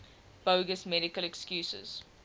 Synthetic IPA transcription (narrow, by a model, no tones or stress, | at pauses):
b̥əːɡəsmɛɾɪkəlɛkskjuːsə̰z̥